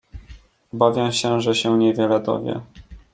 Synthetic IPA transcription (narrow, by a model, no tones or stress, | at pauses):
bavʲjɛw̃ɕɛʐɛɕɛɲɛvʲjɛlɛd̪ɔ̰vʲjɛ̰